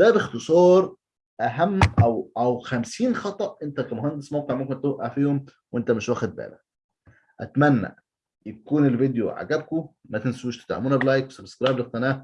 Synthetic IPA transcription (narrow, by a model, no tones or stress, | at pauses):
d̪æbext̪esˤɑːɾˤ | ʔæɦæmːʔæwʔæwxæmsiːnxɑt̪ˤɑʔʔent̪ækæmoɦænd̪esmoq̪eʕmækont̪ːæʔaʕfiːhomwʔent̪æmeɪʃwæːxed̪̚bæ̰ːlæ̰ | ʔæ̰t̪mænːæ̰ | jækuːnelved̪joʕa̰ɡæb̚ko | mæt̪ensuːʃt̪e̥t̪ʕa̰muːnæblɑjkwesæbskɾˤɑːjblext̪ænæː